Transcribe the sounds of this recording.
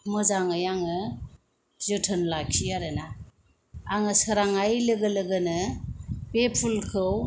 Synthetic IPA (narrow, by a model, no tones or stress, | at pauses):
mɯzaŋɯjaŋɯ | zɯtʰɯnlakʰiaɾɯna | aŋɯsɯɾaŋajlɯɡɯlɯɡɯnɯ | pepʰulkʰɯw